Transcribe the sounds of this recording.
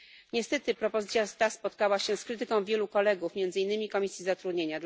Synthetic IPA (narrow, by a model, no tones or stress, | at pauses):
ɲɛst̪ɛt̪ɘpɾɔpɔzɘt̪sʲjast̪aspɔt̪̚kawaɕɛskɾɘt̪ɘkɔ̃w̃vʲjɛlukɔlɛɡufmʲjɛnd̪zɘinːɘmʲikɔmʲisʲjizat̪ɾud̪ɲeɲad̪